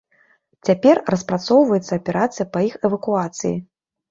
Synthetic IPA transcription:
t͡sʲapʲɛrrɐspɾat̪sɔwvɐjɛt̪sːɐɐpʲɛɾʔat̪sɨjɐpɐixɛvɐkuat̪sɨjḭ

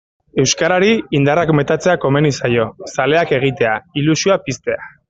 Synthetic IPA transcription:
e̞wskaɾaɾiind̪arakme̞t̪at͡se̞ako̞me̞nisajo̞sale̞ake̞ɣ̞it̪e̞ailusioapist̪e̞a

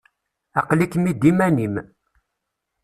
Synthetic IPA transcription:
ɑqlikmid̪imænim

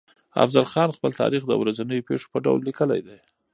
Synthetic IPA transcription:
a̰fzalxɑnxpəlt̪ɑ̰ɾixd̪ə̰wɾazanəjopeʂo̥pəɖa̰wlːikəla̰jd̪aj

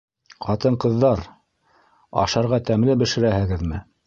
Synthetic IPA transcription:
qɑt̪ɤɴqɤ̆ðːɑɾ | ɑ̰ʃɑɾʁɑt̪æmlɘbɘ̆ʃɘ̆ɾæhɘ̆ɡɘðmɘ

